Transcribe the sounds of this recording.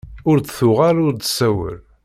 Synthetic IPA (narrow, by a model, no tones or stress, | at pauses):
ʊɾt͡sθʊʁalʊɾd̪sæwə̰l